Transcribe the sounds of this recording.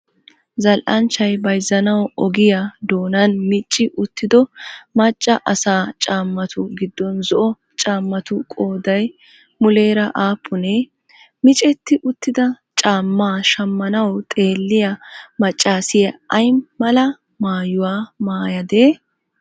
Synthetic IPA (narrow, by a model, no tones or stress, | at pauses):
zɐlʔɐnt͡ʃːɐjbɐjzːɐnɐwɔɡɪjɐd̪o̞ːnɐnmɪt͡ʃʼːɪʔʊt̪ːɪd̪ɔmɐt͡ʃʼːɐʔɐsaːt͡ʃʼaːmːɐt̪ʰʊɡɪd̪ːɔnzɔʔɔ | t͡ʃʼaːmːɐt̪ʊkʼo̞ːd̪ɐj | mʊle̞ːɾɐʔaːpʰːʊnɛ | mɪt͡ʃʼɛt̪ːɪʔʊt̪ːɪd̪ɐ | t͡ʃʼaːmːaːʃɐmːɐnɐwt̪ʼe̞ːlːɪjɐmɐt͡ʃʼːaːsɪjɐɐjnːɐlɐ | maːjʊwaːmaːjɐd̪eː